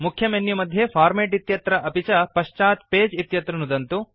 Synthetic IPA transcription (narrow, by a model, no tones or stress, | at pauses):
mukʰːjɐmenjumɐd̪ʱjepʰaːɾmeːʈit̪jɐt̪ɾɐʔɐpit͡ʃɐpɐʃt͡ʃaːt̪peːd͡ʒit̪jɐt̪ɾɐnud̪ɐnt̪u